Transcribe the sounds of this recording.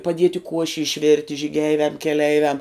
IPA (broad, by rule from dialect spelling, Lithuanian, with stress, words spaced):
pɐˈdʲiɛtʲɪ ˈkuɔʃʲɪ ɪʃʲˈʋʲɪrʲtʲɪ ʒʲiːˈɡʲɛɪʋʲɛm kʲɛˈlʲɛɪʋʲɛm